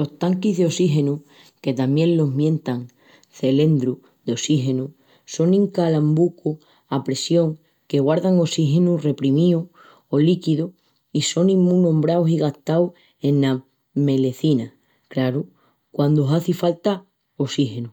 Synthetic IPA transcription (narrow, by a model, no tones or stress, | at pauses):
lo̞ht̪aŋkiɦðeo̞siɦe̞nu | ke̞t̪amjẽ̞nlo̞ɦmjẽ̞nt̪aŋ | θe̞le̞nd̪ɾu | ðeo̞siɦe̞nu | so̞nĩŋkalambuku | apɾe̞sjo̞ŋ | ke̞ɣwaɾðaŋo̞siɦe̞nure̞pɾimiu | olikiðu | iso̞nĩmːũnõ̞mbɾawsiɣaht̪aw | e̞nla | me̞le̞θina | klaɾu | kwand̪oɦaθifalt̪a | osihe̞nu